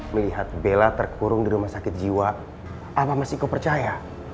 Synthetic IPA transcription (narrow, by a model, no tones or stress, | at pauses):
məliɦat̪̚belat̪ərkʰuɾʊŋdiɾumasakɪt̪̚d͡ʒiwa | ʔapamasikapərt͡ʃaja